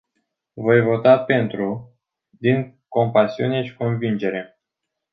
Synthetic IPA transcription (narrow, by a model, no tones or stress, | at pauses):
vo̞jvo̞t̪ape̞nt̪ɾu | d̪iŋko̞mpasiune̞ʃi̥ko̞nvind͡ʒe̞ɾe̞